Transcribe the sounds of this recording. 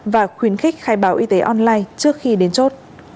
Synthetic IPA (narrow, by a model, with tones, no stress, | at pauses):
vaː˨˩xwi˨˦ənxï˦˥k̚xaː˧˩jɓaː˨˦wʔi˧t̪e˨˦ʔɔ˧nlaː˧jt͡ɕɨ˦˥ək̚xi˧ɗe˨˦nt͡ɕo˦˥t̚